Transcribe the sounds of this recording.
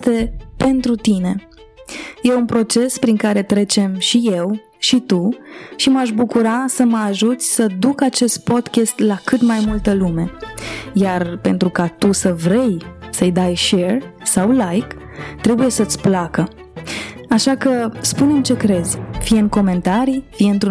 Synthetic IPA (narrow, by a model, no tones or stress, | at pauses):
t̪e̞pe̞nt̪ɾut̪ine̞ | je̞unpɾo̞t͡ʃe̞spɾiŋkaɾe̞t̪ɾe̞t͡ʃe̞mʃije̞w | ʃit̪uʃimaʃ̬bukuɾasəməaʒut̪sʲsəd̪ukat͡ʃe̞st̪̚po̞d̪kʲest̪lakɨt̪majmult̪əlume̞jarpe̞̰nt̪ɾukat̪usəvɾe̞jsəjd̪ajʃe̞rsawlajk | t̪ɾe̞buje̞sət̪sʲplakə | aʃakəspunemt͡ʃe̞kɾe̞zʲfiɨn̚ko̞me̞nt̪aɾifijɨnt̪u